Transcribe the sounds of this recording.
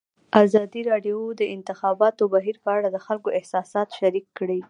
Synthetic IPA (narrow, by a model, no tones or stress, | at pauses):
ʔazɑd̪iɾɑɖjod̪əʔɪnt̪ɪxɑbɑt̪obaɦiɾpəaɽad̪əxalkoʔɪhsɑsɑt̪ʃaɾikːɽi